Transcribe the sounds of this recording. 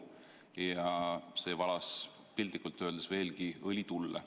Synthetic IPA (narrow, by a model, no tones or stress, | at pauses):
jɑse̞ːvɑlɑs | pild̪likˑult̪ːøːld̪esve̞ːlɡiɤlʲit̪ulːḛ